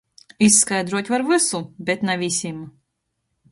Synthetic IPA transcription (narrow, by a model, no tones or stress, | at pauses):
isːkajd̪ɾuɔt̪ʲvaɾvɨsubʲɛt̪navʲisʲim